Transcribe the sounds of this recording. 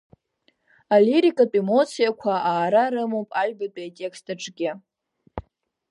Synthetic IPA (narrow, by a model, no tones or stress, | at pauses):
aliɾikʼatʼemo̞t͡sʰijakʷʰaaːɾaɾɨmowpʼaɥʲbatʼaatʼe̞kstʰaʈ͡ʂʼɡʲɪ